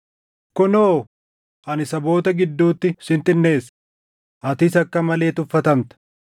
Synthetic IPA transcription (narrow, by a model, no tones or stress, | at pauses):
kʊnoː | ʔɐnɪsɐbo̞ːt̪ɐɡɪd̪ːuːt̪ːɪʃɪnt̪ɪnːeːs | ʔɐt̪ɪsɐkːɐmɐle̞ːt̪ʊfːɐt̪ɐmt̪ɐ̥